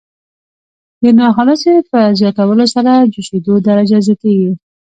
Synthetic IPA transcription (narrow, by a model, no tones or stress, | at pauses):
d̪ənɑxɑləsepəzjɑt̪awəlosaɾad͡ʒuʃed̪od̪aɾad͡ʒazjɑt̪eɡi